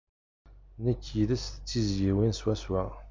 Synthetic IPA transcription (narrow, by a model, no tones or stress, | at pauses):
nəkʰːjiðəsθt͡sːizjiwinswæswæ